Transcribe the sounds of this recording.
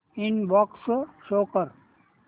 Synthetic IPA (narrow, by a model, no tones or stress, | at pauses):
inbɔksʃoːkəɾ